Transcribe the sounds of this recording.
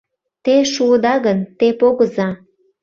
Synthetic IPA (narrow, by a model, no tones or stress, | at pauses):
t̪eʃuəd̪ɑɣənt̪epoɣəzɑ